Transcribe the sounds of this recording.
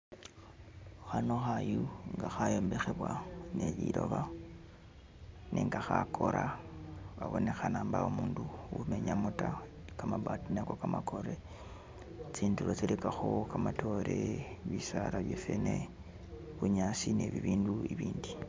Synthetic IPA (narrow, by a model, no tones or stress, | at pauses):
xanoxajuŋɡaxajombexe̞βwanejiɾo̞βa | nʔeŋɡaxakʰo̞ɾʔa | βaβo̞ne̞xanaːmbaumuːnduwume̞ɲamutakamabatinekokamakʰo̞ɾe | t͡siːndulot͡silekaxokamatʰo̞ɾeβisaɾaβjefene | βuɲasineβiβiːnduiβiːndi